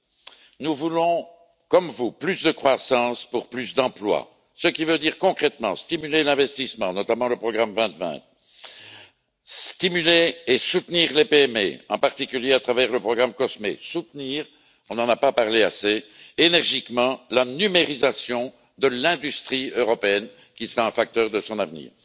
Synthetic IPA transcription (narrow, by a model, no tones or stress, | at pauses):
nuvulɔ̃ | kɔmvuplysd̪əkχwasɑ̃spuʁplysd̪ɑ̃plwa̰ | səkʲivød̪iːʁkɔ̃kχɛt̪mɑ̰̃st̪imylelɛ̃vɛst̪ismɑ̃nɔt̪amɑ̃ləpχɔɡʁamvɛ̃t̪vɛ̰̃t̪ | st̪imyleːsut̪niːʁlepeɛmḛɑ̰̃paʁt̪ikʲyljeat̪χavɛʁləpχɔɡʁamkɔsmḛsut̪niːʁ | ɔ̃nɑ̃napapaʁlea̰seːnɛʁʒikmɑ̃lanymeʁizasjɔ̃ | d̪əlɛ̃d̪yst̪χiøʁɔpeɛn | kʲisəʁaɛ̃fak̚t̪œʁd̪əsɔ̃navnḭːʁ